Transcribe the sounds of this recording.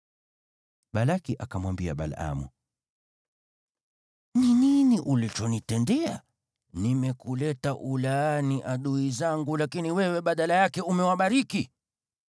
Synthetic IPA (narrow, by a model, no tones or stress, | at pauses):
ɓalakiʔakamwambia̰ɓa̰la̰mṵ | nininiʔulit͡ʃɔnitɛndɛa | nimɛkulɛtaʔulaaniʔaɗuizaŋɡulakiniwɛwɛɓaɗalajakɛumɛwaɓaɾiki